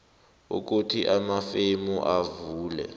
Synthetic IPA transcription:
ṵk̬utʰiʔamafemuʔavuːlɛ̰

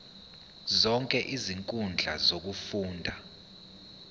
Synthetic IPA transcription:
zɔŋkʼɛʔiziŋkʼund͡ɮʱa̰zok̬ufuːndʱa

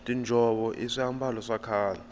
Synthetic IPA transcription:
tʼind͡ʒʱɔɓɔʔiʂiham̩bʱalɔsakʰaːla

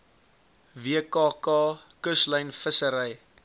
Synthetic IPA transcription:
viəkɑːkɑːkəsləjnfəsəɾəj

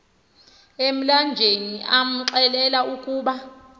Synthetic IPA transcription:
em̩land͡ʒʱeniʔam̩ǁɛlɛlaukʼuːɓa

